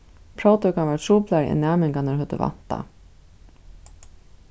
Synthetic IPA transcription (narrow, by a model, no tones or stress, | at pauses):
pʰɾowt̪œkaʋaɹt̪ʰɾuːplaɾɛ̰nːaːmɪŋkanəɾɦœt̪ə̰va̰n̥t̪a̰